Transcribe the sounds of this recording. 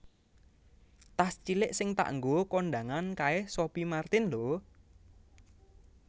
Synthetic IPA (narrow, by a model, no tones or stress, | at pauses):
t̪ast͡ʃilɪʔsɪŋt̪a̰ʔŋɡokoɳɖa̤ŋankaɛhsopimart̪ɪnlo